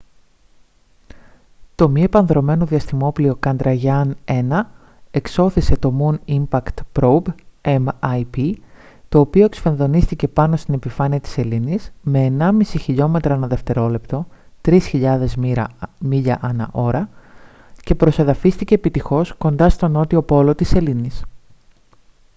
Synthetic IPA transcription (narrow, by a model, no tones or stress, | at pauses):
t̪o̞mie̞pɐnðɾo̞me̞noðiɐst̪imo̞plio̞kɐnd̪ɾɐʝɐne̞nɐ | e̞kso̞θise̞t̪o̞munimpɐkt̪pɾobemɐjpit̪o̞ːpio̞e̞ksi̥fenðo̞nist̪ice̞pɐno̞st̪ine̞pifɐniɐt̪i̥se̞linisme̞ːnɐmisiçiʎo̞me̞t̪ɾɐɐnɐðe̞ft̪e̞ɾo̞le̞pt̪o̞t̪ɾisçiʎɐðe̞zmiʎɐʔɐnɐ̰ʔo̞ɾɐ | ce̞pɾo̞se̞ðɐfist̪ice̞ːpit̪ixo̞sko̞nd̪ɐst̪o̞no̞t̪io̞po̞lo̞t̪ise̞linis